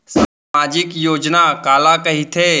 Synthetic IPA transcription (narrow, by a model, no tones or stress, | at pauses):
saːmaːd͡ʒɪkjoːd͡ʒnakaːlakɐɦit̪ʰeː